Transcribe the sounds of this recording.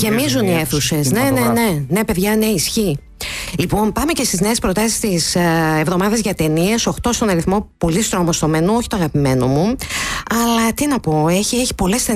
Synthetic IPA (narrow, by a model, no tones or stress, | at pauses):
ʝe̞mizunieθuse̞snenene̞nepe̞ðʝɐne̞isçi | lipo̞mpɐme̞ce̞st̪izne̞eːspɾot̪ɐsi̥st̪isevðo̞mɐðezʝɐt̪e̞nieso̞xt̪o̞st̪o̞nɐɾiθmo̞po̞list̪ɾomost̪o̞menooçit̪oɐɣɐpime̞no̞muɐlɐt̪inɐpo̞eçieçi̥po̞le̞st̪e